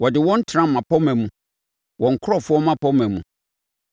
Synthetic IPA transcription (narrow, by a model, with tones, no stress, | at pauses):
wɔ˨dɪ˨wɔ̃˦n̩˦tʰɾã˦˨mã˨pʰɔ˦mɛ̃˨mũ˨ | wɔ̃˨ŋ̩˨kʰʊ˦ɾɔ˦˨fʊ˦ɔ˦mã˦pɔ˦mɛ̃˨mũ˨